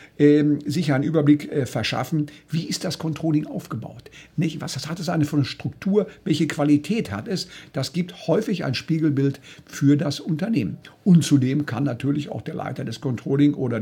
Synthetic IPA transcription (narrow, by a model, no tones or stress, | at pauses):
ʔɛːzɪçɐaɪnʔyːbɐblɪkʔɛːfɛɐʃa̰fn̩v̥iːɪst̚d̥askʰɔntʁ̥oːlɪŋʔaʊfɡ̥əba̰ʊtnɪçvashshatɛsaɪnəfyɐnʃtʁ̥ʊktʰuːɐvɛlçəkv̥alitʰɛːtha̰tɛsd̥asɡ̥iːp̚thɔʏfɪça̰ɪnʃpiːɡl̩bɪltfyːɐdasʊntɐneːmənʔʊntt͡sudeːmkʰanːatʰyːɐlɪça̰ʊxd̥eːɐlʔa̰ɪtɐdɛskɔntʁ̥oːlɪŋʔoːɾɐ